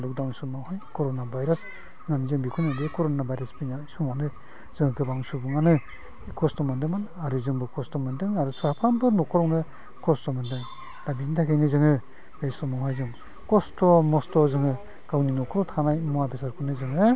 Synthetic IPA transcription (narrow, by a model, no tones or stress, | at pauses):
luk̚dawnsumawhajkɔɾonabajɾas | ŋanɯzɯŋbikʰunabekɔɾonabajɾaspinaisɔmanɯ | z̥ɯŋɯkɯbaŋsubɯŋanɯ | kʰɔstɔmɯndɯmanɯaɾɯzɯŋbɯkʰɔstɔmɯndɯŋaɾusɔapʰɾambɯnɔkʰɔɾɔwnɯ | kʰɔstɔmɯndɯŋ | dabintʰakʰejnɯzɯŋɯ | b̥esɔmawɦajzɯŋ | kɔstɔmɔstɔzɯŋɯ | ɡawninɔkʰɔɾɔtʰanajmɔabesaɾkʰɯnɯzɯŋɯ